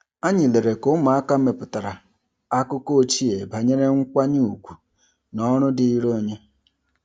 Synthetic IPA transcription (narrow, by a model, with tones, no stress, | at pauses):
a˦ɲɪ˨le˨ɾe˨kʊ˦ma˨a˦ka˦me˨pʊ˨ta˨ɾa˨ | a˦kʊ˦ko˦t͡ʃi˦e˨ba˨ɲe˦ne˦ŋ̩˦kʷa˦ɲu˦u˨kʷu̥˨ | nɔ˦ɾʊ˦dɪ˨i˦ɾo˦˨ɲe˦